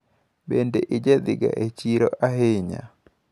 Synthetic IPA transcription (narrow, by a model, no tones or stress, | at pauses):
bendeʔɪd͡ʒed̪ɪɡa̰ʔet͡ʃiɾoʔaɦeɲa̰